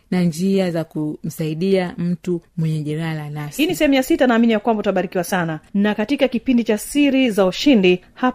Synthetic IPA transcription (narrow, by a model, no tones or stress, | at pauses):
nand͡ʒiazakum̩saiɗiam̩tumwɛɲɛʄɛɾalanashinisɛhɛmujasitanaːminijakwambautaɓaɾikiwasananakatikakipindit͡ʃasiɾizauʃindi | ha